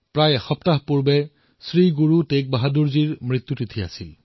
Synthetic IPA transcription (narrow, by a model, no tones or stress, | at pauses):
pɹajɛxɔptaɦpuɹbɛ | sɹiɡuɹutek̚baɦaduɹziɹmɹit̪ːjutitʰia̰sil